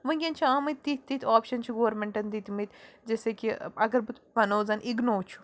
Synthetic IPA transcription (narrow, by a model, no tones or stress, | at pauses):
ʋɨ̃ɡʲɐnt͡ʃʰiaːmɨt̪ʲt̪ːit̪̚ʲt̪ːit̪ʰʲaːpʃɐnt͡ʃʰuɡoːɾmeɳʈɐnd̪it̪mit̪ʲd͡ʒesekiɐɡɐɾbut̪ʋɐnoːzɐnʔiɡnoːt͡ʃʰu̥